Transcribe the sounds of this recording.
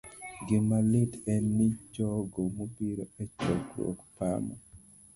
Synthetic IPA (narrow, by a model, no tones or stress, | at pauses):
ɡɪmalitɛnːit͡ʃɔɡomobiɾoɛt͡ʃɔɡɾo̰kpa̰mɔ̰